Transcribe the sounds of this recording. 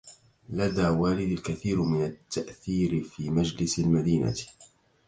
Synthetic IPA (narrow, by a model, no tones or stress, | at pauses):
lad̪aːwaːlɪd̪alkaθiːɾmɪnat̪ːaʔθiːɾɪfiːmad͡ʒlɪsalmad̪iːna̰t